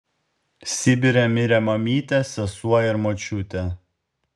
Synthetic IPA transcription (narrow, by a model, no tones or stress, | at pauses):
sʲɪbʲɪɾʲɛmʲɪɾʲɛmɐmʲiːt̪ʲɛsʲɛsuɔjɪɾmot͡ʃʲʊt̪ʲɛ